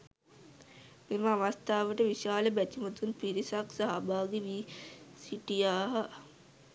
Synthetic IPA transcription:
meməaʋast̪ʰaːʋəʈəʋiʃaːləbætimət̪unpiɾisaksaɦabaːɡeʋisiʈijaːɦə

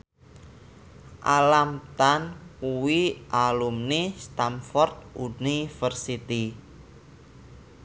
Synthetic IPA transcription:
ʔalamt̪ankuwiʔalumnist̪amfɔrt̪̚unifərsit̪i

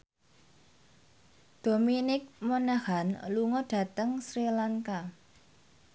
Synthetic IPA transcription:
d̪̥o̤minɪk̚mɔnahanluŋɔɖ̥ä̤t̪əŋsɾilaŋka

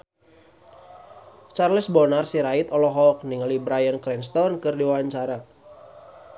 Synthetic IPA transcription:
t͡ʃarlɪsbɔnarsiɾait̪ɔlɔɦɔk̚niŋlibɾajənkɾɛnst̪ɔnkɨrdiwawaɲt͡ʃaɾa

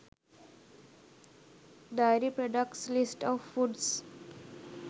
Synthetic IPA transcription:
ɖ̪aɪɾipɾoɖəkslɪsʈɔːʋfuɖs

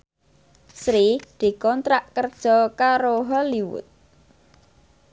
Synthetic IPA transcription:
sɾid̪̥i̤kɔnt̪ɾaʔkərd̥ʒ̥ɔ̤kaɾoɦɔliwʊ̰t̪̚

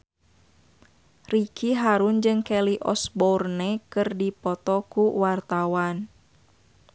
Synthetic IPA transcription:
rikʰiɦaɾund͡ʒɨŋkɛliʔɔ̰sbɔrnɛkɨrdipɔt̪ɔkuwart̪awan

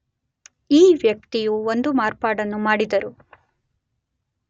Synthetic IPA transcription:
iːʋjɐk̚t̪ijuond̪umaːɾpaːɽɐnːumaːɽid̪ɐɾu

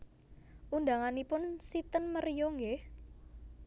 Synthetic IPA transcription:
ʔund̪aŋanipʊnsit̪ənmərjɔŋɡe

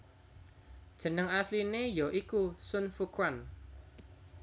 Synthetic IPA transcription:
d̥ʒ̥ə̤nəŋaslinejɔʔikusʊnfukwan

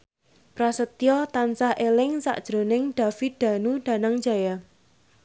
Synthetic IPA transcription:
pɾasət̪ijɔt̪ansahʔelɪŋsa̰ʔd̥ʒ̥ɾo̤nɪŋɖ̥a̤fit̪̚d̪̥a̤nuɖ̥a̤naŋ̥d͡ʒa̤ja

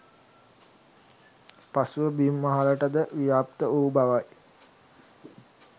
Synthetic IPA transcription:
pasuʋəbimːaɦaləʈəd̪əʋijaːp̚t̪əuːbaʋaj

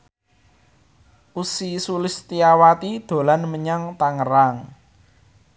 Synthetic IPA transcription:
ʔusisulɪst̪iawat̪id̪̥o̤lanməɲaŋt̪aŋəɾaŋ

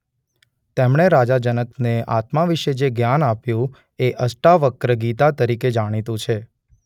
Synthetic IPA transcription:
t̪emɳ̃eɾad͡ʒad͡ʒənəkneʔat̪maʋiʃed͡ʒeɡjanapjũ | eʔəsʈaʋəkɾəɡit̪at̪əɾiked͡ʒaɽ̃it̪ũt͡ʃʰe

